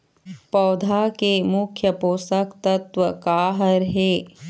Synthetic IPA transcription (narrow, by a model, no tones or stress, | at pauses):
pɐːd̪ʱaːkemukʰːjɐpoːsɐkt̪ɐt̪ʋɐkaːɦɐɾɦeː